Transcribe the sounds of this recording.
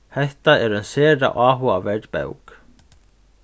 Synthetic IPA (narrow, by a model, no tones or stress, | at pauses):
hɛht̪aɛɾʏnsɛːɾa̰ʔaːɦuavɛɾt̪pɛ̰wk